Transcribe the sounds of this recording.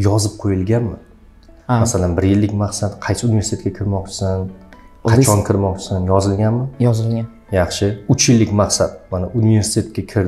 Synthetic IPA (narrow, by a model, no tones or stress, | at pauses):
jɒzɪp̚qʰojɪlɡʲanmɪ | masalanbɪɾjɪlːɪkʲmaqsat̪qʰɑjsɪunivesɪt̪ʰet̪kʲakʲʰɪɾmɒq̚t͡ʃʰɪ̥sanʰat͡ʃʰɒnkʲʰɪɾmɒq̚t͡ʃʰɪ̥sanjɒzɪlɡʲanmɪjɒzɪlɡʲan | jɑχʃɪʊt͡ʃʰjɪlːɪkʲmaqsat̪̚manaʔunive̞ɾsɪ̥t̪ʰe̞t̪̚ʲkʲakʲʰɪɾ